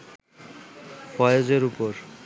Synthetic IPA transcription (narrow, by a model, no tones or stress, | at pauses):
fɔjod͡ʑeɾupoɾ